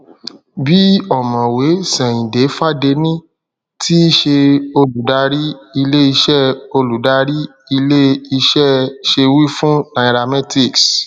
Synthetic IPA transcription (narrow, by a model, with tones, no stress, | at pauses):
bi˦ɔ˦˨mɔ̃˨we˨˦sɛ̃˨ĩ˨de˨˦fa˦de˧nĩ˦ | tʰi˦ʃe˧o˧lu˨da˧˦ɾi˦i˧le˦i˧ʃɛ˦˨o˧lu˨da˧˦ɾi˦ | i˧le˦i˧ʃɛ˦˨ʃe˧wi˦fũ˦nã˨ɾa˧mɛ˦ti˦˨ks